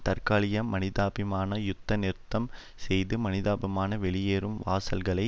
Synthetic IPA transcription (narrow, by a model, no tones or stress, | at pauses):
t̪ɐɾkaːɭɪjɐmːɐnɪðaːbɪmaːnɐjʊt̪ːɐnɪɾt̪ːɐm | sɛjðɯmɐnɪðaːbɪmaːnɐʋɛɭɪjeːɾɯmʋaːsɐlɣɐɭɐɪ